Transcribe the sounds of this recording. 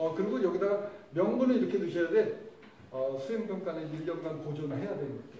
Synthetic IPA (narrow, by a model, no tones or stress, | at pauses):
ʌkɯɾiɡojʌɡidamjʌŋmunɯiɾʌkʰe̞dɯɕʰʌjade̞ | ʌsʰuimɡʌmk͈aneiʎːjʌnɡankod͡ʑʌnɯɭɦe̞jadwenʌe